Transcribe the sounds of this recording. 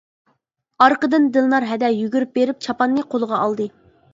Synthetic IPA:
ɑɾqəd̪ɨnd̪ɨlˠnˠɑɾɦɛd̪ɛjyɡʲyɾyp̚beɾɪp̚t͡ʃʰɑpɑnːɨqʰolˠəʁɑɑlˠd̪ɨ

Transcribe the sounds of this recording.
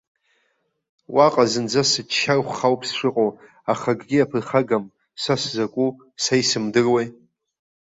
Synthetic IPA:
wʔaqʼazɨnd͡zasɨt͡ʃʰːarχʷχawpʰsʂɨqʼo | aχaɡɡʲɪapʰɨrχaɡam | saszakʷʼu | sajsɨmdɨrwej

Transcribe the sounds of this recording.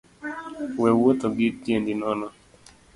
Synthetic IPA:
wɛwot̪oɡɪtjendɪnɔnɔ

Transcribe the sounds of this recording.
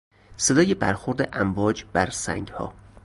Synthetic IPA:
se̞d̪ɒːjebæ̰ɾxoɾd̪eʔæmvɒːd͡ʒbæɾsæ̰ŋɡhɒ̰ː

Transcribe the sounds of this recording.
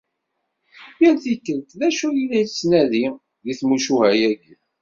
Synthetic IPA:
jəlθikːənt̪ðæʃujilæjt͡sːnæði | ðiθmuʃuhæjæɡi

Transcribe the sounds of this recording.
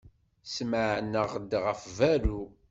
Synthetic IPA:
sməʕnːəʁd̪ʁəfvæɾu

